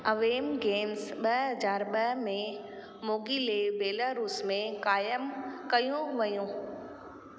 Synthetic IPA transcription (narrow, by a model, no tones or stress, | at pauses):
ɐʋeːmɡeːmsɓɐɦɦɐzaːɾɓɐɦmẽ | moːɡilebeːlaɾuːsmẽkaːjəmkɐjũʋɐjũː